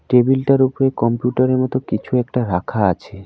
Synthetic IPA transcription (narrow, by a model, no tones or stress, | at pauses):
ʈebilʈaɾupoɾekɔmpjuʈaɾeɾmɔt̪okit͡ɕʰuɛk̚ʈaɾakʰaat͡ɕʰe